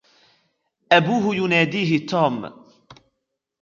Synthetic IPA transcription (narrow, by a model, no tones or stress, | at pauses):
ʔabuːɦʊjʊnaːd̪iːɦɪt̪uːm